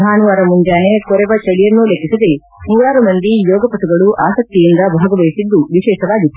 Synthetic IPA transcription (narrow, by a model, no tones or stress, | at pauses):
aːnuʋaːɾɐmuɲd͡ʒaːnekɔɾɛʋɐt͡ʃɐlijɐnːulekʰːisɐd̪e | muːɾaːɾumɐnd̪ijɔːɡɐpɐt̪uɡɐɭuʔaːsɐk̚t̪ijind̪ɐbʱaːɡɐʋɐjisid̪ːuʋiʃɛːʃɐʋaːɡit̪ː